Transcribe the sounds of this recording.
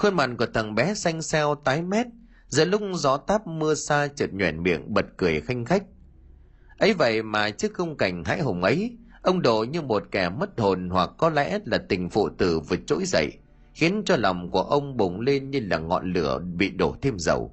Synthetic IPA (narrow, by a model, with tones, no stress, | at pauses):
xo˧nma̰˨˩nku˧˩ət̪ʰə˨˩ŋɓɛ˨˦sa˧jŋ̟sɛ˧wt̪aː˨˦jmɛ˦˥t̚ | zə̰ː˧˨lʊ˦˥k͡pŋ͡mzɔ˨˦t̪aː˦˥p̚mɨ˧əsaː˧t͡ɕɨ˨˩t̚ɲwɛ˧˩nmḭ˧˨əŋɓə˨˩t̚kɨ˨˩əjxa˧jŋ̟xa˦˥jk̟̚ | ʔə˨˦jvə̰˧˨jmaː˨˩t͡ɕɨ˦˥əkkə˧wŋ͡mka˨˩jŋ̟ɦa̰ː˧˥jɦo˨˩wŋ͡mʔə˨˦j | ʔə˧wŋ͡mɗo̰˧˨ɲɨ˧mo˨˩t̚kɛ˧˩mə˦˥t̚ho˨˩nhwa˨˩kːɔ˨˦lɛ̰˧˥laː˨˩t̪ï˨˩ŋ̟fṵ˧˨t̪ɨ˨˩vɨ˨˩t͡ɕo̰˧˥jzə̰˧˨j | xi˨˦ənt͡ɕɔ˧lɔ˨˩wŋ͡mku˧˩əʔə˧wŋ͡mɓʊ˨˩ŋ͡mle˧nɲɨ˧laː˨˩ŋɔ̰˧˨nlɨ˧˩əɓḭ˧˨ɗo˧˩t̪ʰe˧mzə̰˨˩w